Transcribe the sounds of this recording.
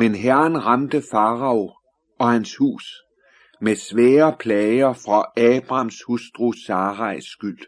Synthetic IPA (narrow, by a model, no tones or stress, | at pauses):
menɦæɐɐnʁɑmd̥əfɑ̈ːʁɑ̈o | ɒ̽hænshṵːs | mesʋɛːɐpʰlɛɪɐfʁɑɛːb̥ʁɑ̈mshusd̥ʁusɑːʁɑ̈ɪsɡ̥yl̰